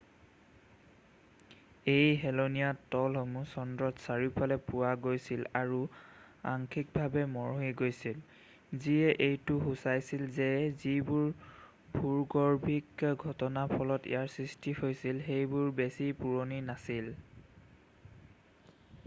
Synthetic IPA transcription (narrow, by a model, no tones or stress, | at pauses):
ejɦɛlonijatɔlɦomusɔndɹɔtsaɹipalɛpʊwaɡojsilaɹu | a̰ŋkʰik̚bʱabɛmɔɹɦiɡojsil | ziɛʔejtʊɦusajsilzɛzibʊɹ | bʱuɹɡɔɹbʱikɡʱɔtɔnapʰɔlɔtḭjaɹsɹistihojsilxejbʊɹbesipuɹoninasil